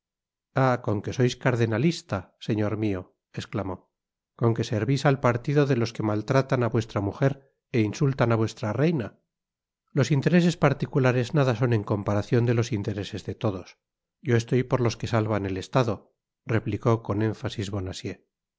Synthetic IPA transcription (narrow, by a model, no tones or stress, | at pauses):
ako̞ŋke̞so̞jskaɾðenalist̪ase̞ɲo̞ɾmio̞ | e̞sklamo̞ | ko̞ŋke̞se̞ɾβisalpaɾt̪iðo̞ðe̞lo̞ske̞malt̪ɾat̪anaβwe̞st̪ɾamuxe̞ɾ | e̞insult̪anaβwe̞st̪ɾare̞jna | lo̞sint̪e̞ɾe̞se̞spaɾt̪ikulaɾe̞znaðas̬o̞ne̞ŋko̞mpaɾaθjo̞nd̪e̞lo̞sint̪e̞ɾe̞se̞zðe̞t̪o̞ðo̞s | ɟ͡ʝo̞e̞st̪o̞jpo̞ɾlo̞ske̞salβane̞le̞st̪aðo̞ | re̞pliko̞ko̞nẽ̞ɱfasizβo̞nasje̞